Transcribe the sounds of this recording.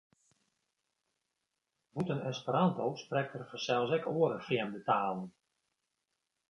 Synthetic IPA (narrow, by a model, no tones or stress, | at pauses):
ʋutənɛspəɾantowsprɛk̚tərfərsɛlˠsɛkʰoəɾəfrjɛmdətaːlˠən